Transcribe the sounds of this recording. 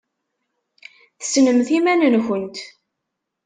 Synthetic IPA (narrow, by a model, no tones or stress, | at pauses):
θəsnəmθimænənçənt̪